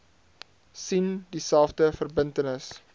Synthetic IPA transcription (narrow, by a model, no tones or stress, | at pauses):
sindisælˠfdəfərbəntənəs